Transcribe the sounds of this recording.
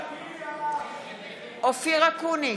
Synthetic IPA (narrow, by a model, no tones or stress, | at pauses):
ofik̬akʰuni